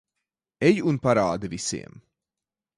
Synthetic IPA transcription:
ejunpaɾaːd̪ivisḭɛm

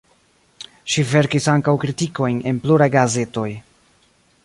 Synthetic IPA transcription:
ʃive̞ɾkisaŋkawkɾitiko̞jne̞npluɾajɡaze̞to̞j

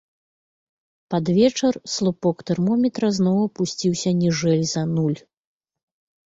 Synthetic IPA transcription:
pad̪vʲɛt͡ʂɐrslˠupɔkt̪ɛrmɔmʲɛt̪ɾɐznɔwɐpusʲt͡sʲiwsʲɐnʲiʐɛlʲzɐnulʲ

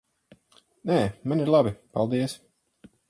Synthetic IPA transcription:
nɛːmaniɾlˠabipalˠd̪iɛs

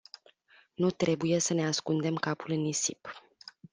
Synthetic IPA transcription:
nut̪ɾe̞buje̞səne̞askund̪e̞mkapulɨnisip

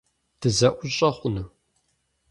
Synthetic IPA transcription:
d̥ɨzɐʔʷʊɕʼɐχʷʊnɨ

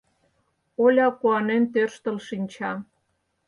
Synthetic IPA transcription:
olʲɑkuɑnent̪ørʃt̪ə̆lʃinʲt͡ɕɑ

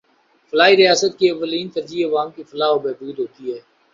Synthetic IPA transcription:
fəlaːɦiɾɪjaːsət̪̚kiɐʋːəliːnt̪əɾd͡ʒiəʋaːmkifəlaːɦobɛːbuːd̪ɦoːt̪iɦɛː

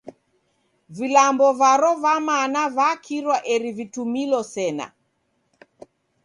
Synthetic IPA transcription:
vilambɔvaɾɔvamanavakʰiɾwaʔɛɾivitumilɔsɛna̰

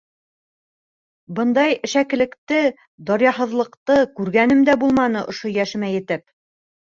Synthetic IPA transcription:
bɤnd̪ɑjɘ̆ʃækɘ̆lɘ̆kt̪ɘ | d̪ɑɾjɑɦɤ̆ðlˠɤ̆qt̪ɤkʉɾɡænɘmd̪æbulˠmɑnɤʔŏʃojæʃɘ̆mæjɘ̆t̪ɘp

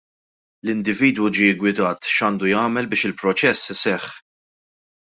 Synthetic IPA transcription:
lɪnd̪ɪviːd̪wud͡ʒiːɪɡwɪd̪ɐːt̪ʃɐːnd̪ujɐːmɛlbɪːʃɪlpɾɔt͡ʃɛsːsɛħ

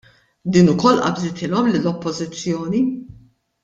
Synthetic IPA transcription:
d̪iːnʊkɔlːʔɐ̰bzɪt̪ʰɪːlɔmlɪlːɔpːɔzɪt͡sːjɔːni

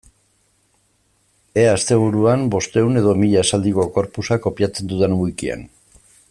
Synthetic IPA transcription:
e̞ast̪e̞β̞uɾuambo̞st̪e̞une̞ð̞omiʎaesald̪iko̞ko̞ɾpusako̞piat͡se̞nd̪uðenuikia̰n

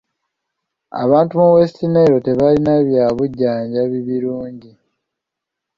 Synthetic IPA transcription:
a̰βaːntumuwe̞stineːɾo̞te̞βalinaβjaːβuɟːaːɲɟaβiβiɾuːɲɟi

